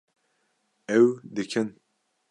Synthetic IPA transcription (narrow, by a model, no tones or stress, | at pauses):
ɛwd̪ɨkʰɨn